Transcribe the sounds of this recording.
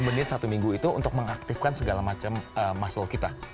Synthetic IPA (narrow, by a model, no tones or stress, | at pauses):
mənɪt̪sat̪umiŋɡuit̪ṵːnt̪ʊk̚məŋak̚t̪ɪfkansəɡalamat͡ʃaməmːasʊlkit̪a